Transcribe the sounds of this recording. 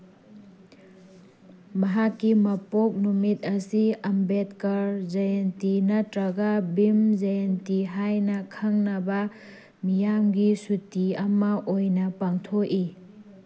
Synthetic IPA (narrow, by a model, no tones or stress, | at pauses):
mɐɦakːimɐpok̚numit̚ɐsiɐmbet̚kɐɾzɐjentinɐtɾɐɡabimzajentiɦajnɐkʰaŋnɐbɐ | mijamɡisutiɐmɐʔojnɐpaŋtʰoi